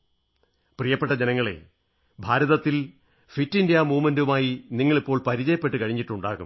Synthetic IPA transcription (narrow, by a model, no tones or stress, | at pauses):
prijɐpːe̞ʈːɐd͡ʑenɐŋːɐɭe̞̰ | bʱaːɾɐðɐt̪ːil | fitːindijaːmuːmɐndumaːjiniŋːɐɭipːo̞ːɭpɐɾit͡ɕɐjɐpːe̞ʈːɨkɐɻiɲːiʈːuɳɖaːɣṵm